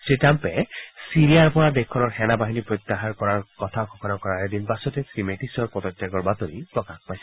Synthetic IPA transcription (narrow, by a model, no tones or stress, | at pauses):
sɹitampɛsiɹijaɹpɔɹadekʰːɔnɔɹxɛnabaɦinipɹot̪ːaɦaɹkɔɹaɹkɔt̪ʰakʰɔkʰɔnakɔɹaɹedinbasɔtɛsɹimeʈisɔɹpɔt̪ɔtːɛɡɔɹbat̪ɔɹipɹɔkaxpajsɛ